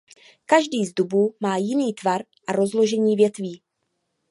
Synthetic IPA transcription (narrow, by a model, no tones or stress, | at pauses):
kaʒdiːzdubuːmaːjɪniːt̪vaɾ | ʔaɾo̞zlo̞ʒɛɲiːvjɛt̪viː